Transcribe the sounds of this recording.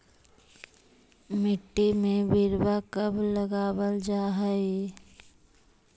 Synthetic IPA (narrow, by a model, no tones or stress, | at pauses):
mɪʈːimẽʋɪɾwakəbʱləɡaːwəld͡ʒaːɦəi